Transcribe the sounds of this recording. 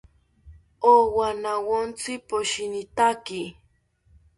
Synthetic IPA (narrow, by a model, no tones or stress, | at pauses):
owanawont͡sɪpoʃinɪt̪aki